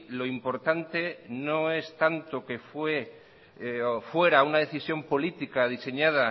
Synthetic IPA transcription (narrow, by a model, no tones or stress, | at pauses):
lo̞impo̞ɾt̪ant̪e̞no̞e̞st̪ant̪o̞ke̞fwe̞ | fwe̞ɾaunað̞e̞θisjo̞mpo̞lit̪ikað̞ise̞ɲað̞a